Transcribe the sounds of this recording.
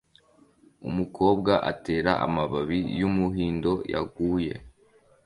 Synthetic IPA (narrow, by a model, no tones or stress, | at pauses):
ṵmukʰo̞ːbɡaʔate̞ːɾaʔa̰maβaβijumuɦiːndo̞ja̰ɡuːje̞̰